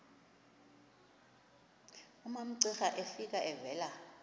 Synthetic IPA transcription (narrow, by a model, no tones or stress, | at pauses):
umam̩ǀɛxaʔefik̬ʼaʔɛvɛːla